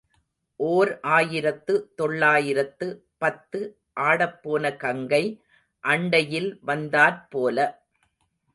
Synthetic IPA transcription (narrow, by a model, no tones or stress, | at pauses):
ʔoːɾʔaːjɪɾɐt̪ːɯt̪ɔɭːaːjɪɾɐt̪ːɯ | pɐt̪ːɯ | ʔaːɽɐpːoːnɐkɐŋɡɐɪ | ʔɐɳɖɐjɪlʋɐnd̪aːɾpoːlɐ